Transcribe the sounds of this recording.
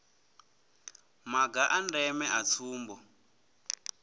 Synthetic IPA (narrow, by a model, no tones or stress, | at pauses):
maɡaʔandɛmɛʔat͡sʰuːmbɔ